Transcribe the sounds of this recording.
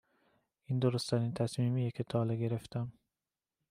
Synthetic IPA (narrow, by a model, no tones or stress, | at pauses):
ind̪oɾost̪ʰæɾiːnt̪ʰæsmiːmiːjecʰe̞t̪ʰɒːleɡe̞ɾeft̪ʰæm